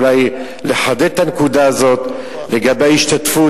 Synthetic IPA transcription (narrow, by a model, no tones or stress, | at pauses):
laj | leħad̪etːankud̪aːzo̞t̪ | le̞ɡabeaiʃt̪at̪fu